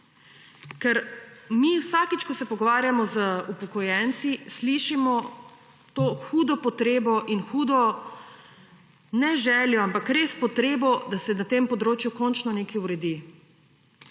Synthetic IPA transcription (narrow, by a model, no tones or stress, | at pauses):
kɛɾmiwsakit͡ʃkɔsɛpɔɡɔʋaːɾjamɔzəupɔkɔjɛnt̪sisliʃimɔ | t̪oːxuːd̪ɔpɔt̪ɾeːbɔʔinxuːd̪ɔ | nɛʒɛːljɔampakɾespɔt̪ɾeːbɔd̪asɛnat̪empɔd̪ɾoːt͡ʃjukɔnt͡ʃnɔnekɛuɾɛd̪i